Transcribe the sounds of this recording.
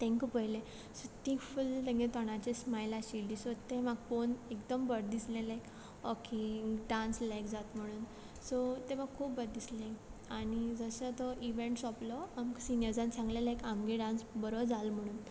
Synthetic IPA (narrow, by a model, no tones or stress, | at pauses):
t̪ʰɛ̃ŋkupəɦjlẽ | sɔt̪ĩfult̪ə̃ŋɡẽt̪ɔɽ̃at͡ɕesmajlaɕilisɔt̪emaɡfonekd̪əmbəɾd̪islẽlaek | ɔkeɖãnslekd͡zat̪m̤əɽ̃uːn | sɔt̪emaɡkʰːuːpbəɾd̪islẽkaɽ̃id͡zəsət̪ɔʔiʋeɳʈsɔplɔamksinjəɾd͡zãnt͡sʰãŋɡlelekamɡeɖãnsbəɾod͡zalm̤əɽ̃uːn